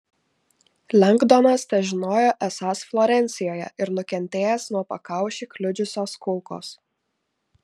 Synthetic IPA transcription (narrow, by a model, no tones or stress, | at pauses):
lʲɛŋɡd̪onɐst̪ʲɛʒʲɪnoːjoːʔɛsɑsflˠɔɾʲɛnʲsʲɪjoːjɛ̰ʔɪɾnʊkʲɛnʲt̪ʲeːjɛsnuɔpɐkɑˑʊʃʲiːklʲʊd͡ʒʲʊsʲoːskʊlˠko̰ːs